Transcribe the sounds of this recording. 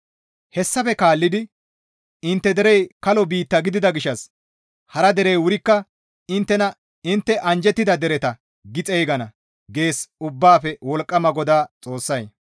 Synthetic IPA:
hɛsːɐfɛkaːlːɪd̪ɪ | ɪnt̪ːɛd̪ɛɾɛjkɐlɔbiːt̪ːɐɡɪd̪ɪd̪ɐɡɪʃːɐs | hɐɾɐd̪ɛɾɛjwʊɾɪkːɐ | ɪnt̪ːɛnɐ | ɪnt̪ːɛʔɐnd͡ʒɛt̪ːɪd̪ɐd̪ɛɾɛt̪ɐ | ɡɪt͡sʼɛjɡɐnɐ | ɡe̞ːsʊbːaːfɛwɔlkʼːɐmɐɡɔd̪aːt͡sʼo̞ːsːɐj

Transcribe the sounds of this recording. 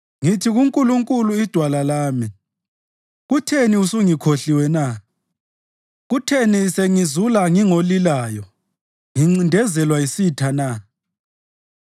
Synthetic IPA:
ŋitʰiɣuŋkʼuluŋkʼuluid̥ʱwalalaːmi | ɣutʰeniusuŋikʰoɬiwɛna | ɣutʰeniseŋizulaŋiŋolilaːjɔ | ŋiŋ͡ǀindʱɛzɛlwaisitʰana

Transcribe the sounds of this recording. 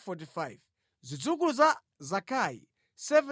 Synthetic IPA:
fɔtifajv | zʷit͡suk̬uluza | zakʰaḭ | sɛvɛ

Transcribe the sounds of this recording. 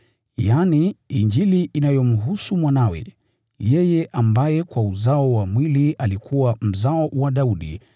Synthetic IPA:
janiiɲd͡ʒiliʔːnajɔm̩ɦusumwanawɛ̰ | jɛjɛʔambajɛkwauzaɔwamwiliʔalikʰuwam̩zaɔwaɗauɗḭ

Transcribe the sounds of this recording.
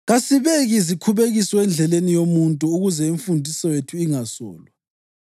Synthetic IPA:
ɣasiβeɣizikʰuβeɣisɔɛnd͡ɮʱɛlenijomuntʼuuɣuzɛiɱfundʱisɔwetʰuiŋasɔ̰ːlwa

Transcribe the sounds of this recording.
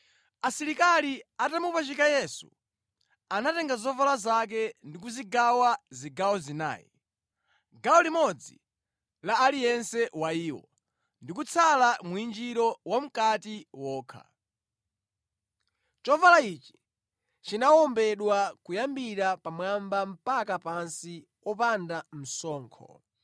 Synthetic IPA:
asiɾikaliatamupat͡ʃikajɛsṵ | anatɛŋɡazɔvalazak̬ɛndik̬uziɡawaziɡawɔzina̰ːjḭ | ɡawɔlimɔd͡zḭ | laːlijɛnsɛwaiːwɔ̰ | ndik̬ut͡sʰalamuind͡ʒiɾɔwam̩katiwɔːkʰa̰ | t͡ʃɔvalait͡ʃi̥ | t͡ʃinawɔmbɛɗwakujambiɾapamwambam̩pakapansi | wɔpandam̩sɔːŋkʰɔ̰

